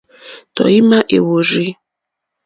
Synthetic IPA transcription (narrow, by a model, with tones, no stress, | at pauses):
tɔ̰˨i˦ma˦ʔe˨wo˨ɾi˦